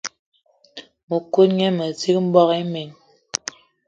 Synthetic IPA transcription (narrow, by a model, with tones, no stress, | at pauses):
mo˨ko˦t̚ɲɛ˦mə˨ti˦k̚m̩˦bɔ˦ke˦me˨ŋ